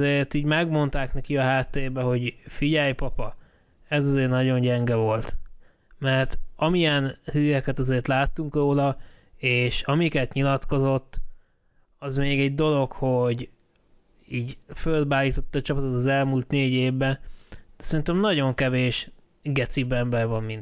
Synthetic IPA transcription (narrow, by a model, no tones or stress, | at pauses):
zeːrt̪iːɟmɛɡmo̞nt̪aːknɛkiɒɦaːt̪ːeeːbɛɦo̞ɟfiɟɛjpɒpɒ | ɛzɒzeːrnɒɟo̞ɲɟɛŋɡɛvo̞lt̪ | mɛrt̪ɒmijɛnhiːɾɛkɛt̪ɒzeːrt̪laːt̪ːuŋkroːlɒeːʃɒmikɛt̪ɲilɒt̪ko̞zo̞t̪ː | ɒzmeːɡɛɟ̚d̪o̞lo̞kho̞ɟ | iːɟfølbaːliːt̪o̞t̪ːɒːt͡ʃɒpɒt̪ot̪ɒzɛlmuːlt̪neːɟeːvbɛnsɛɾint̪ɛmnɒɟo̞ŋkɛveːʃ | ɡɛt̪sibɛmbɛrvɒmːint̪